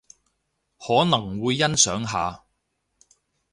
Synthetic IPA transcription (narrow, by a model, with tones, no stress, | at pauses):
hɔː˨˥nɐ˨˩ŋwuː˨˧jːɐ˥nsœː˨˥ŋɦa̰ː˨˧